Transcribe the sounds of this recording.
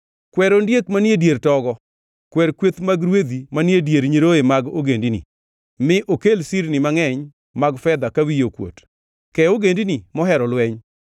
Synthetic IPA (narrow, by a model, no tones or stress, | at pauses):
kwɛɾondjekmanjedjeɾtɔɡɔ | kwɛɾkwet̪maɡɾwed̪imanjedjeɾɲeɾoemaɡoɡendinḭ | mɪʔokelsiɾnɪmaŋɛɲ | maɡfɛd̪akawijokwo̰t | kɛoɡendinimɔɦɛɾɔlwɛɲ